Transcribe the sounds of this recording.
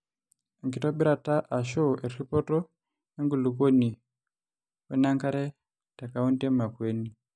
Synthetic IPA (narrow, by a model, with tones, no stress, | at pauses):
ŋɡi˨tɔ˦ɓi˦ɾa˨ta˦ʔa˨ʃɔ˦ʔe˨ɾi˦pɔ˦tɔ˦ | e˦ŋɡu˨lu˨ko˦ni˨ | we˦na˦ŋka˦ɾɛ˦ | ta˨ka˦u˦nde˦ma˨kwe˦ni˨